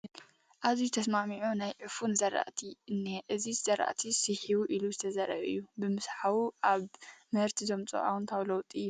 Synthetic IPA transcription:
ʔazit̪ʰɐsmamiʕunajʕɨfunzɐɾa̰ʔt̪ʰiɨnːeʔɨziz̥ɐɾa̰ʔt̪ʰisɨħiβuʔiluzɨt̪ʰɐzɐɾɐ̰ʔɨ̰jːubɨmɨsħawuʔaβmɐɾt̪ʰizomt͡sʼɐ̰ʔa̰wnt̪ʰawlɐwt̪ʼi

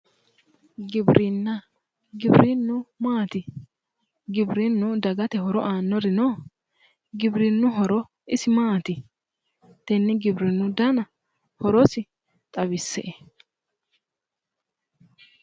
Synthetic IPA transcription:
ɡɪbɾʔɪnːɐ | ɡɪbɾinːʊmaːt̪ɪ | ɡɪbɾɪnːʊd̪ɐɡɐt̪ɛɦɔɾɔʔaːnːɔɾɪnoː | ɡɪbɾɪnːʊɦɔɾɔ | ɪsɪmaːt̪ɪ | t̪ɛnːɪɡɪbɾɪnːʊd̪ɐnɐ | hɔɾɔsɪ | t̪ʼɐβɪsːɛʔe

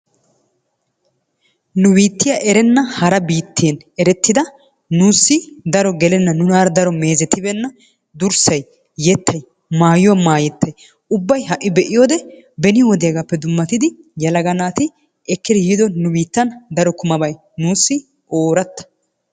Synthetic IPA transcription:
nʊbiːt̪ːɪjɐʔɛɾɛnːɐhɐɾɐbiːt̪ːɪjɛn | ɛɾɛt̪ːɪd̪ɐ | nuːsːɪd̪ɐɾɔɡɛlɛnːɐnʊnaːɾd̪ɐɾɔme̞ːzɛt̪ːɪbɛnːɐ | d̪ʊɾsɐj | jɛt̪ːɐj | maːjʊwɐmaːjɛt̪ːɐj | ʊbːɐjɦɐʔːɪbɛʔɪjoːd̪ɛ | bɛnɪwɔd̪ɪjɐɡapːɛd̪ʊmːɐt̪ɪd̪ɪ | jɐlɐɡɐnaːt̪ɪ | ɛkːɪd̪ɪjɪd̪ɔnʊbiːt̪ːɐnd̪ɐɾɔkʊmɐbɐj | nuːsːɪ | ʔoːɾɐt̪ːɐ̥

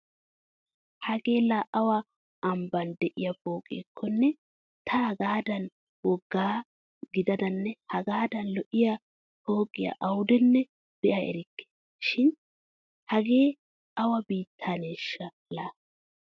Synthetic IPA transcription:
hɐɡe̞ːlaʔɐwɐː | mbɐnd̪ɛʔɪjɐfo̞ːkʼḛːkʰːɔnːɛ | t̪ʰɐɐɡaːd̪ɐn | wɔɡːaː | ɡɪd̪ɐd̪ɐnːɛhɐɡaːd̪ɐnlɔʔɪjɐ | fo̞ːkʼɪjɐ̰ʔɐwʊd̪ɛnːɛ | b̥ɛʔɐɛ̰ɾɪkːɛ̥ | ʃɪn | hɐɡe̞ː | ɐwɐbiːt̪ʰːaːneːʃːɐ | laː

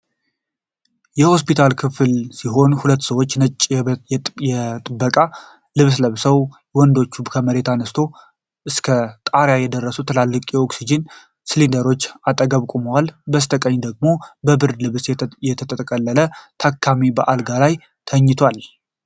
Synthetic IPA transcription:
jɛho̞spit̪ʰalkʰɨfɨlsiɦo̞nhulət̪ːsəwot͡ʃːnət͡ʃʼː | jɛt̪ʼɨbːəkʼa | lɨβsləβsəw | wɔnd̪o̞t͡ʃːubkʰəməɾe̞t̪anəst̪ʰo̞ | ʔɨskʰət̪ʼaɾjajɛd̪ərːəsut̪ʰəlalːɨkʼjɛʔoksid͡ʒɪn | slind̪əɾo̞t͡ʃːat̪ʼəɡəβkʼuməwalbəst̪ʰəkʼəɲːd̪əɡ̚mo̞bəbɨɾlɨβsjɛt̪ʰət̪ʼəəkʼəlːələt̪ʰakʰːamibəʔalɡalaj | t̪ʰəɲːɪt̪ʰwal

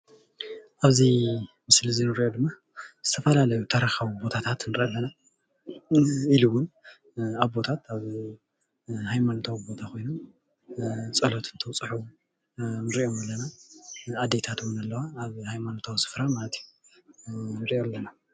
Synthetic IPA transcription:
ʔaβzi | mɨslɨzinɨɾiʔo̞d̪ɨmːa | z̥ɨt̪ʰɐfɐlalɐjut̪ʰɐɾɐxawubo̞t̪ʰat̪ʰat̪nɨɾʔalːɐna | iluwʊn | aβbo̞t̪ʰat̪aβ | hajmanot̪ʰawbo̞t̪ʰako̞jnom | t͡sʼɐlot̪ɨnt̪ʰɨwt͡sʼħu | nɨɾio̞malːɐnaad̪ːet̪ʰat̪ʰumnɐlːɐwaːβhajmanot̪ʰawsɨ̥fɾamalɐt̪ʰiju | nɨɾiʔolːɐna

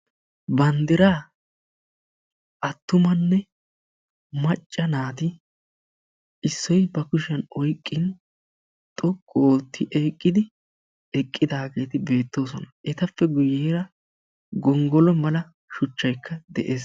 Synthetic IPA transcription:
bɐnd̪ɪɾaː | ʔɐt̪ːʊmɐnːɛ | mɐt͡ʃʼːɐnaːd̪ɪ | ʔɪsːɔjbɐkʊʃɐnɔjkʼːɪn | t̪ʼɔkʼːoːt̪ːɪʔɛjkʼːɪd̪ɪ | ɛkʼːɪd̪aːɡe̞ːt̪ɪbe̞ːt̪ːo̞ːsɔnɐʔɛt̪ɐfːɛɡʊjeːɾɐ | ɡɔŋɡɔlɔmɐlɐ | ʃʊt͡ʃːɐjkʰːɐd̪ɛʔe̞ːs

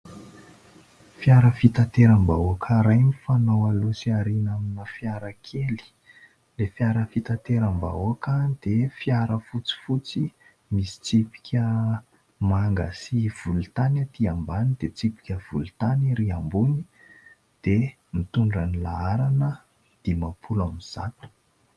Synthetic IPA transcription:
fiaɾəfit̪at̪eɾambauakʰəɾajnifanowalusiaɾinaminəfjaɾəkʰeli̥ | lefjaɾəfit̪at̪eɾamba̰uakəd̪̥efjaɾəfut͡si̥fut͡si | misi̥t͡sipi̥kʲə | maŋɡa̰siv̥ult̪anat̪iambanid̪et͡sipi̥kʲəv̥ulut̪aniɾiambuni | d̪̥e | mit̪uɳɖ͡ʐanila̰aɾanə | d̪̥imapʰulamiz̥a̰t̪u̥

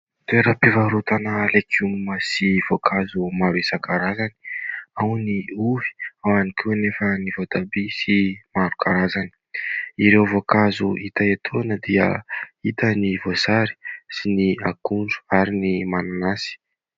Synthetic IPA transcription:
t̪eɾəpivaɾut̪anəlekʰumuməsivokʰazumaɾesakaɾazani̥awniuvi̥awanikʰunefənivod̪abisimaɾukʰaɾazani̥iɾewvokazuʔit̪aet̪ʰoanəd̪iə̰it̪ənivosaɾi̥siniakuɳɖ͡ʐu̥aɾinimananasi̥

